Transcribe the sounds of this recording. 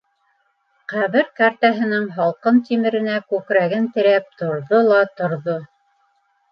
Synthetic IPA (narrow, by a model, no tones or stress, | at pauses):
qæðɘɾkaɾt̪æɦɘ̆nɘŋɦɑlˠqɤnt̪imɘ̆ɾɘ̆nækʉkɾæɡɘnt̪ɘ̆ɾæp̚t̪ŏɾðolˠɑt̪ŏɾðo